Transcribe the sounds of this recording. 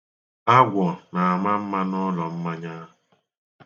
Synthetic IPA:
a˦ɡʷɔ˨na˨a˨ma˦m̩˦ma˦nɔ˦lɔ˨m̩˦ma˦ɲa˦˨

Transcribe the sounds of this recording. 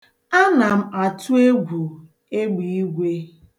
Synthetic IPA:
a˦na˨m̩˦a˨tu˦e˦ɡʷu˨ | e˦ɡ͡bi˨i˦ɡʷe˦

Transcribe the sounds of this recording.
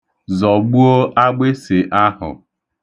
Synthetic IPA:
zɔ˨ɡ͡bu˦o˦ʔa˦ɡ͡be˦sɪ˨ʔa˦hʊ̰˨

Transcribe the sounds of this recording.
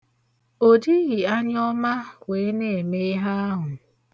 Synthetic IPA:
o˨di˦ɣi˨a˦ɲ˦ɔ˦ma˦kʷe˨e˦ne˨e˨me˦ɦa˦a˦ɦʊ˨

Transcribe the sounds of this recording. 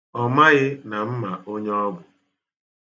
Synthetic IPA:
ɔ˦ma˦ɣɪ˦na˨m̩˦ma˨ʔo˦ɲe˦ɔ˦ɡʊ˨

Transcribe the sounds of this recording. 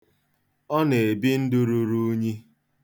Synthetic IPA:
ɔ˦ne˨e˨bi˦n̩˦dʊ˦ɾu˦ɾu˦ɲi˦

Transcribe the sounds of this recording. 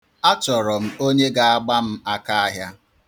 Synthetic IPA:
a˦t͡ʃɔ˨ɾɔ˨m̩˦o˦ɲe˦ɡa˨a˦ɡ͡ba˦m̩˦a˦ka˦a˦ɦja˦

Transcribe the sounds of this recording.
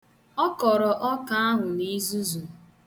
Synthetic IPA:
ɔ˦kɔ˨ɾɔ˨ʔɔ˦ka˦a˦ɦʊ˨ni˦zu˦zu˨

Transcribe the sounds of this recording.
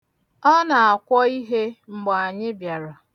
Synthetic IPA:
ɔ˦na˨a˨kʷɔ˦i˦ɦe˦ŋ͡m̩˦ɡ͡bɔ˨a˨ɲɪ˦bja˨ɾa˨

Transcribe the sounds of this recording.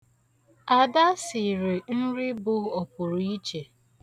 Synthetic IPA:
a˨da˦sɪ˨ɾi˨n̩˦ɾɪ˦bʊ˦ɔ˨pʊ˨ɾʊ˨i˦t͡ʃe˨

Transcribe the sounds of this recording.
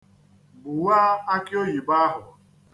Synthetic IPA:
bʊ˨wa˦a˦kɪ˦o˦ji˨ba˦ɦʊ˨

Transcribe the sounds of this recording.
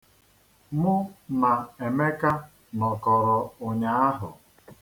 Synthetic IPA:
mʊ˦na˨e˨me˦ka˦ | nɔ˨kɔ˨ɾɔ˨o˨ɲa˦a˦ɦʊ̰˨

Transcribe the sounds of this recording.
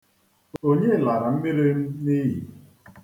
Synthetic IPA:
o˦ɲe˦˨la˨ɾa˨m̩˦me˦ɾe˦m̩˦ni˦ɦḭ˨

